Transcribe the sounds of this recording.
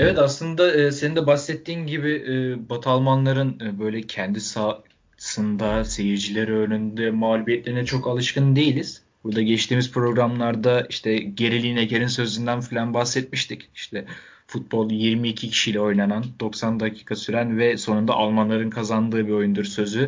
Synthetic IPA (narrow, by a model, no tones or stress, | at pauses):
evɛt̪aslˠɯnd̪aɯːsenind̪ɛbaxsːɛt̪ʰːiːnɟibiːbat̪ʰalˠmanlˠaɾɯnɯːbø̞jlʲɛcʰɛnd̪isḁ | sɯnd̪ase̞jiɾd͡ʒilʲɛɾøːɾynd̪ɛmaːlʲubijɛt̪lʲeinɛt͡ʃʰo̞kalˠɯʃkɯnd̪e̞jilʲiz̥ | buɾd̪aɟɛt͡ʃt̪ʰiːmizpɾo̞ɡɾamlˠaɾd̪aiʃt̪ʰɛɟe̞ɾilʲijinecʰeɾinsø̞zynd̪ænfilʲanbaxsːɛt̪̚miʃt̪ʰici̥ʃt̪ʰɛfut̪̚bo̞lˠjiɾmiːcʰicʰi̥ʃijlʲɛo̞jlanand̪̥o̞ksand̪acʰi̥ːkʰasyɾænvɛso̞nund̪a̰ʔalˠmanlˠaɾɯnkʰazand̪ɯːbio̞jund̪uɾsø̞zy